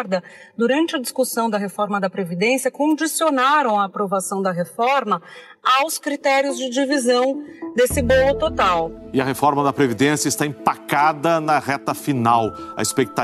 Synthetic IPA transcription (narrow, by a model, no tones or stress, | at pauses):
ɾd̪ɐd̪uɾɐ̃nt͡ʃɪɐd͡ʒiskusɐ̃w̃d̪ɐɦefɔɾmɐd̪ɐpɾevid̪ẽsiɐkõd͡ʒisionaɾɐ̃w̃ɐːpɾovasɐ̃w̃d̪ɐɦefɔɾmɐ | awskɾit̪ɛɾiʊzd͡ʒɪd͡ʒivizɐ̃w̃d̪esɪbolʊt̪ot̪awɪɐɦefɔɾmɐd̪ɐpɾevid̪ẽsjɐɪst̪aĩpakad̪ɐnɐʁɛt̪ɐfinawɐ̰ispek̚t̪a